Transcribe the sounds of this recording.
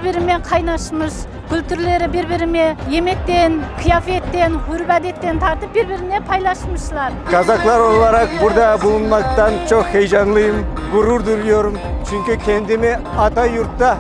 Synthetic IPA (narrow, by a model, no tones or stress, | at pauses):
ɾbɪɾɪme̞qʰɑjnɑʃməʃ | ɡ̥ʲʏlt̪ʰʏɾle̞ɾɪbeɾbɪɾɪme̞je̞me̞t̪ːenqʰijafe̞t̪ːe̞nwʏɾɪpæd̪e̞t̪ːe̞nt̪ʰɑɾt̪əp̚beɾbɪɾɪne̞pʰɑjlˠɑʃməʃəlˠɑɾkʰɑzɑqlˠɑɾoʁlˠɑɾɑq̚bʊɾd̪ɑbʊlˠənmɑt̪ːɑnt͡ʃʰoqhejʒɑnlˠəjəmɡʊɾuɾd̪uɾjoɾəmt͡ʃʰʏŋkʲɪkʲʰend̪eme | ɑt̪ɑjʊɾt̪ːɑ